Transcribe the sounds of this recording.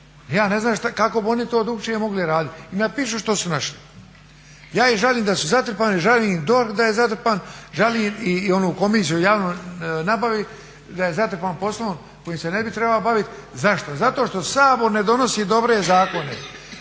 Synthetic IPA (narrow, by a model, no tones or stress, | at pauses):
jaːne̞znaːʃt̪akako̞bio̞nit̪oːd̪ɾuɡt͡ʃemo̞ɡliɾaːd̪it̪ʲinapiːʃ̬uʃt̪osunaʃli | jaːiʒaliːmd̪asuzat̪ɾ̩paːniʒaliːd̪o̞ɾkd̪aje̞zat̪ɾ̩paːnʒaliːmio̞nuːko̞misijujaːʋnoːnabaʋi | d̪aje̞zat̪ɾ̩paːnpo̞slˠoom | ko̞jiːmsene̞bit̪ɾe̞balobaʋit̪zaʃt̪ozat̪oːʃt̪o̞saːbo̞ɾne̞d̪o̞no̞siːd̪o̞bɾe̞zaːko̞ne